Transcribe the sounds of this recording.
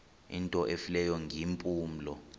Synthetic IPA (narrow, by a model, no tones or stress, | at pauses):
intʼɔʔefilɛjɔŋʱimpʼuːm̩lɔ